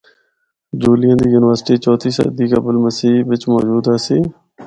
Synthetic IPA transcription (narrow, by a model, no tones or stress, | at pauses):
d͡ʒuːlɪjãːd̪iːjuːnɪʋəɾsʈiːt͡ʃɔːt̪ʰiːsə̰d̪iːkəbəlməsiːʋɪt͡ʃmɔːd͡ʒuːd̪ɦaːsiː